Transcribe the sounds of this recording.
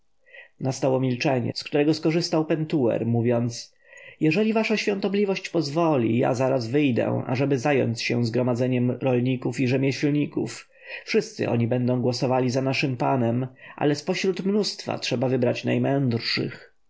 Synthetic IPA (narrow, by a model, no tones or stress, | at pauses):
nast̪awɔmʲilt͡ʂɛɲɛ̰skt̪uɾɛɡɔskɔʐɘst̪awpɛnt̪uɛ̰ɾmuvʲjɔnt̪s | jɛʐɛlʲivaʂaɕfʲjɔ̃nt̪ɔblʲivɔɕt͡ɕpɔzvɔlʲḭja̰zaɾazvɘjd̪ɛ̰ʔa̰ʐɛbɘzajɔ̰nt̪sɕɛ̰zɡɾɔmad̪zɛɲɛmɾɔlɲikufiʐɛmʲjɛɕlɲikṵf | fʂɘst̪sɘ̰ʔɔ̰ɲibɛnd̪ɔ̃w̃ɡwɔsɔvalʲizanaʂɘmpanɛmʔa̰lɛspɔɕɾut̪mnust̪fa̰tʂɛbavɘbɾat͡ɕnajmɛnd̪ɾʂɘ̰x